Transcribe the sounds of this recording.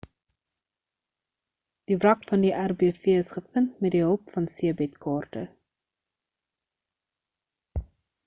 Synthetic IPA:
d̥ivrɐkfɐndiʔærbiəfiəəsχəfəntmɛt̚diɦəlˠpfɐnsiəbɛtkɑːrtə̰

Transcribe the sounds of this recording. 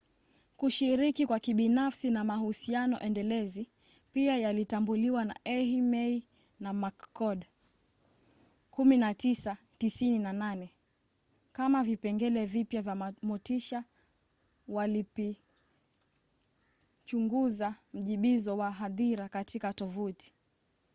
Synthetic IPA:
kuʃiɾikikwakiɓinafsinamahusianɔ̰ʔɛndɛlɛzi | piajalitambuliwana̰ʔɛhimɛi | namakkɔɗ | kuminatisa | tisininananɛ | kamavipɛŋɡɛlɛvipjavjamɔtiʃa | walipi | t͡ʃuŋɡuzam̩ʄiɓizɔwaɦaðiɾakatikatɔvuti̥

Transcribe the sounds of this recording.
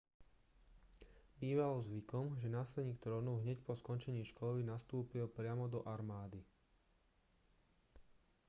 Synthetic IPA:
biːʋalɔzʋikɔmʒɛnaːslɛd̪ɲiːkt̪ɾɔnɔʊɦɲɛcpɔskɔnt͡ʃɛɲiːʃkɔlinast̪uːpilpɾɪamɔd̪ɔʔaɾmaːd̪i

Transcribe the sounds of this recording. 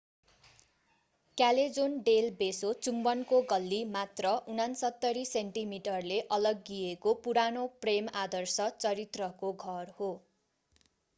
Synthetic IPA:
kjaled͡zonɖelbesot͡sumbʌnkoɡʌlːimat̪rʌʔunansʌt̪ːʌɾiseɳʈimiʈʌrleʔʌlʌɡːiekopuɾanopremad̪ʌrsʌt͡sʌɾit̪rʌkoɡʱʌrho

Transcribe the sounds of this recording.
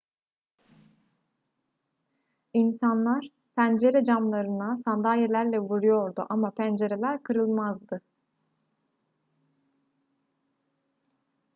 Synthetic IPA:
insanlˠaɾ̥ | pʰænd͡ʒe̞ɾɛd͡ʒamlˠaɾɯnasand̪aːjelʲæɾlʲɛvuɾujo̞ɾd̪uʔamapʰænd͡ʒe̞ɾelʲæɾkʰɯɾɯlˠmazd̪ɯ

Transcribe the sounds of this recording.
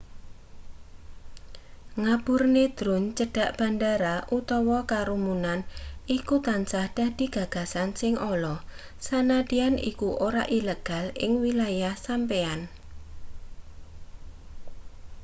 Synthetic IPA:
ŋab̥ʊrned̪̥ɾʊnt͡ʃəɖ̥a̤ʔb̥a̤ndaɾaʔut̪ɔwɔkaɾumunanʔikut̪ansahd̥a̤d̥i̤ɡ̥a̤ɡ̥a̤sansɪŋʔolɔ | sanaɖianḭkuʔoɾa̰ʔiləɡ̥a̤lɪ̰ŋwilajahsampean

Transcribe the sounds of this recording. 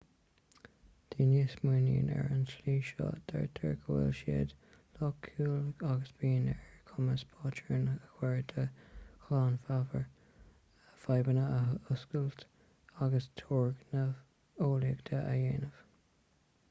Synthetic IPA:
d̪̥iːniːsmuːnḭːnɛ̰ɹənsliːʃɑ̰ːd̪̥ɛɹt̪ʰɛɹkʰəwɪ̰lʃḛːd̪ | lɔkʰːuːlaɡəsb̥iːnɛɹkʰʊməspʰɑːt͡ʃəɹnəkwɛɹd̪ʰəklaːnfavəɹ | əfajbənəəʊskəlt̪ | aɡəst̪ʰɔːɹɡnəv | oːləɡd̪ʰəʔajeːnəv̥

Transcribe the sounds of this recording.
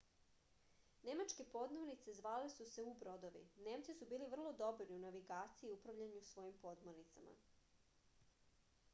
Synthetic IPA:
ne̞mat͡ʃke̞po̞d̪monit̪se̞zʋaːlesuse̞ubɾo̞d̪o̞ʋḭne̞ːmt̪sisubiːliʋr̩lˠo̞d̪o̞bɾiunaʋiɡaːt̪siiiupɾaʋʎaɲusʋo̞jimpo̞d̪moɾnit̪sama̰

